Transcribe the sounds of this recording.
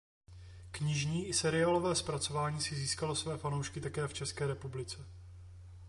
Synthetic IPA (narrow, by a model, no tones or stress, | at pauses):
kɲɪʒɲiːʔɪsɛɾɪaːlo̞vɛːspɾat͡so̞vaːɲiːsɪziːskalo̞svɛːfanowʃkɪt̪akɛːft͡ʃɛskɛːɾɛpublɪt͡sɛ